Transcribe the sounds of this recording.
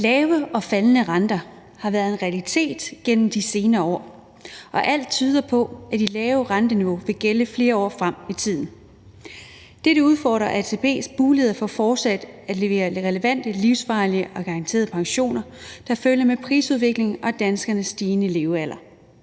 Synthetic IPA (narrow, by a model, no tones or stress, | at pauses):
lɛːʊəɒ̽fælnəʁɑnd̥ɐ | hɑ̈ʋæɐð̞ˠe̝nʁɛælit͡sʰe̝̰ːd̥ɡ̥en̰m̩d̥ise̝ːnɐːɒ̰ː | ʔɒ̽ʔæl̰d̥̚t͡sʰyːð̞ˠɐpʰɒ̽æd̥ilɛːʊəʁɑnd̥əniʋo̝ʋe̝ɡ̥eləfle̝ːɐɒ̰ːfʁam̰it͡sʰið̞̰ˠn̩ | d̥eɾəuð̞ˠfɒ̰ːd̥ʁɐʔæsʰepʰe̝̰ːsb̥uːleðˠɐfɒfɒːd̥sæd̥æ̥leʋe̝̰ːɐʁɛləʋæn̰d̥əliʊsfɑ̈ɪliəʔɒ̽ɡ̥ɑ̈ʁɑ̈nt͡sʰe̝̰ːɐðˠpʰɑ̈ŋɕo̝̰ːnɐd̥ɑ̈føljɐmepʰʁḭːsuð̞ˠʋe̝ɡ̥le̝ŋʔɒ̽d̥ænsɡ̥ɐnəsːd̥iːnəle̝ʊæl̰ɐ